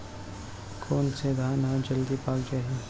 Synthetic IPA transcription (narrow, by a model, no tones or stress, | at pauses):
kʰoːnsed̪ʱaːnɦãd͡ʒəld̪ipaːɡd͡ʒaːɦi